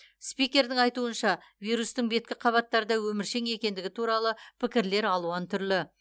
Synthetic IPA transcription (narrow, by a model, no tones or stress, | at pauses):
spijkʲe̞ɾd̪ɪŋɑjt̪uənʃɑ | vijɾust̪əŋbe̞t̪̚kʲɪqʰɑβɑt̪ːɑɾəd̪ɑwɵmɪɾʃe̞ŋe̞kʲe̞nd̪ɪɡʲɪt̪ʰuɾɑlˠəpʰɪkʲɪɾle̞ɾɑlˠuɑnt̪ʰʏɾlɪ